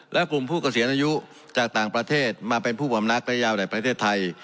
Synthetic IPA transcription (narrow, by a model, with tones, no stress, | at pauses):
lɛ˦˥ʔklu˨˩mpʰuː˥˩ka˧˩si˩˦nʔaː˧ju˦˥ | t͡ɕaː˨˩k̚t̪aː˨˩ŋpɾa˧t̪ʰeː˥˩t̪̚maː˧pe˧npʰuː˥˩pa˨˧˦mna˦˥k̚lɛ˦˥jaː˧wda˨˩jpɾa˧t̪ʰeː˥˩t̪ʰːa˧j